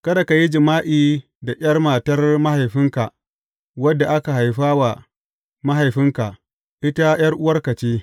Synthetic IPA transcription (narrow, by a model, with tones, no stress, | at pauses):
kɐ˦da˨ka˨ji˦d͡ʒɪ˨maː˦ʔiː˨ | da˨ʔʲɐ˦rmaː˨tɐ˦rma˦ha˨jɸɪ˦ŋka˨ʔ | wɐ˦dːa˨ʔa˦ka˨ɦa˨jɸaː˦wa˨ | ma˦ɦa˨jɸɪ˦ŋka˨ʔ | ʔɪ˦ta˦j̰ɐ˦rʔʊ˦wɐ˦rkɐ˨t͡ʃeː˦